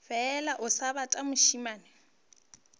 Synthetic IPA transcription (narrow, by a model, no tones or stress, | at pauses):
fɛlaʔʊsaβatʼamʊʃimaːnɪ